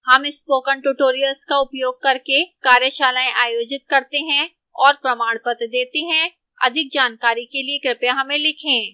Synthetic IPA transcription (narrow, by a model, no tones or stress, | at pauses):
hɐmɪspoːkəɳʈuʈoːɾijəlskaʊpjoːɡ̚kɐɾkekaːɾjəʃaːlaːẽʔaːjoːd͡ʒɪt̪̚kɐɾt̪eɦɛ̃ | ɔːɾpɾɐmaːɽ̃pət̪d̪eːt̪eɦɛ̃ | ɐ̰d̪ʱɪk̚d͡ʒaːnkaːɾikeliekɾɪpjaɦɐmẽlɪkʰẽː